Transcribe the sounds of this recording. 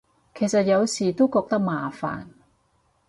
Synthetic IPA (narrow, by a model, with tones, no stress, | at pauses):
kʰeː˨˩sɐ˨t̚jɐ˨˧wsiː˨˩t̪o˥wkɔː˧k̚t̪ɐ˥k̚maː˨˩fa̰ː˨˩n